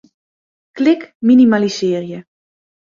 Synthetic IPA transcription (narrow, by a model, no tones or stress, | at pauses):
klɪkminimalisɪːrjə